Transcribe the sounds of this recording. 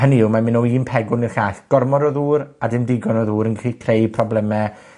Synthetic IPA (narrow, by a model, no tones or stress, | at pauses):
həniɪwmamɪnɔiːnpʰɛɡʊnirɬaːɬɡ̥ɔrmɔɾɔðuːɾadɪmdɪɡɔnɔðuːɾənɡikʰrejpʰrɔblɛmɛ